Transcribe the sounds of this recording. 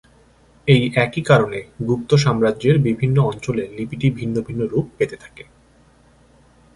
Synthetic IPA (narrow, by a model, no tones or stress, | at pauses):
ejʔɛkikaɾoneɡup̚t̪oʃ̬amɾadʑeɾbibʱinːoɔnt͡ɕolelipiʈibʱinːobʱinːoɾup̚pet̪et̪ʰḁke